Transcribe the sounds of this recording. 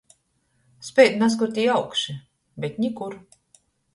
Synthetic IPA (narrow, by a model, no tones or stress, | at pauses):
spʲɛjd̪nas̬kuɾt̪ʲiːjawkʃi | bʲɛt̪ʲɲʲikuɾ